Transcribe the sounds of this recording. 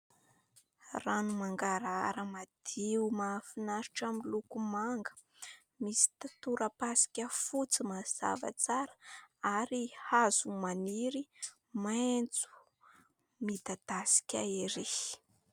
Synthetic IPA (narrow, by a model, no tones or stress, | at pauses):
ranumaŋɡaɾaaɾəmad̪̥iumafinaɾiʈ͡ʂamilukumaŋɡə̥ | misi̥t̪at̪uɾəpasi̥kʲəfut͡simaz̥a̰va̰t͡saɾə̥aɾihaz̥umaniɾi | mant͡su̥ | mid̪ad̪̥asi̥kʲaeɾi